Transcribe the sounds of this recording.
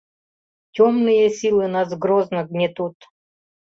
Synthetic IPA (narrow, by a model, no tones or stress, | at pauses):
tʲomnɨjəsʲilˠɨnazɡɾoznəɡnʲɪt̪ut̪